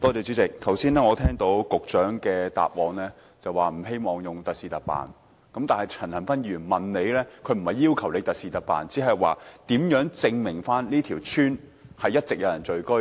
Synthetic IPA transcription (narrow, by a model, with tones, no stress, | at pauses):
t̪ɔː˥t͡sɛː˨˩t͡ʃyː˨˥t͡sɪ˨k̚t̪ʰɐ˨˩wsiː˥nɛː˥ŋɔː˨˧t̪ʰɛː˥ŋt̪o˨˧˥wkʊ˨k̚t͡ʃœː˨˥ŋkɛː˧t̪a̰ː˨p̚wɔː˨˧ŋlɛː˥ | t͡sɐ˨waː˨m̩˨˩ɦe˥jmɔː˨ŋjʊ˨ŋt̪ɐ˨k̚siː˨˧t̪ɐ˨˩k̚pa̰ː˨n | kɐ˨˥mt̪aː˨nhɐ˨jt͡sʰɐ˨˩nhɐ˨˩nfɐ˥njyː˨˩nmɐ˨nne˨˧jlɛː˥kʰɵ˨˧ɥm̩˨˩hɐ˨jːiː˥wkʰɐ˨˩wle˨˧jt̪ɐ˨t̚siː˨t̪ɐ˨k̚pa̰ː˨nt͡siː˨˥ɦɐ˨jwa̰ː˨t̪iː˨˥mjœː˨˥ŋt͡sɪ˧ŋmɪ˨˩ŋfaː˥nliː˥t̪ʰiː˨˩wt͡ʃʰyː˥n | hɐ˨jːɐ˥t̚t͡sɪ˨k̚jɐ˨˧wjɐ˨˩nt͡ʃɵ˨˧ɥkɵ˥